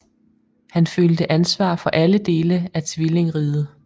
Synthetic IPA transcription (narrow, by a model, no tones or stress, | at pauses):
hænføld̥əʔænsʋɑ̰̈ːfɒ̽ʔæləd̥e̝ːləæt͡sʰʋile̝ŋʁiːðˠə